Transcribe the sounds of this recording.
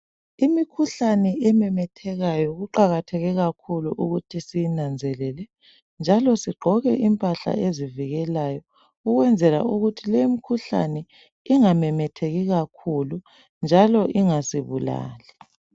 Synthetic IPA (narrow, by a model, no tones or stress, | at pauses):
imikʰuɬanɛʔɛmɛmɛtʰɛɣajɔɣuǃaɣatʰɛɣɛɣakʰuluʔuɣutʰisijinand͡zʱɛlɛlɛ | nd͡ʒʱalɔsiɡ͡ǃʱɔɣɛʔimpʼaɬa̰ʔeziviɣɛlajɔ | uɣwɛnd͡zʱɛla̰uɣutʰileimikʰuɬa̰nɛ | iŋamɛmɛtʰeɣiɣakʰulu | nd͡ʒʱalɔʔiŋasiβula̰ːlɛ